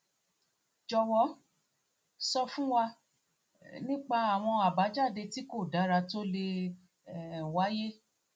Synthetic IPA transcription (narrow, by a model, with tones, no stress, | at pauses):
d͡ʒɔ˧wɔ˦ | sɔ˧fũ˦wa˧ | nĩ˦k͡pa˧a˨w̃ɔ̃˧a˨ba˨˦d͡ʒa˦˨de˧ti˦ko˦˨da˨˦ɾa˧to˦le˧˨ | wa˦je˦